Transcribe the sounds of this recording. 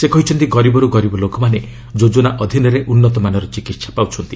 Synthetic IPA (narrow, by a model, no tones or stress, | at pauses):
sekɔɦit͡ʃʰɔnt̪iɡɔɾibɔɾuɡɔɾibɔlokɔmane | d͡ʒod͡ʒɔnaʔɔd̪ʱinɔɾeʔunːɔt̪ɔmanɔɾɔt͡ʃikit̪sḁpawt͡ʃʰɔnt̪i